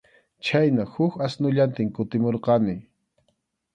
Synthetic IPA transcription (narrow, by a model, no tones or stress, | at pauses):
t͡ʃajnahʊkasnʊʎant̪ɪŋkʊt̪ɪmoɾqɑnɪ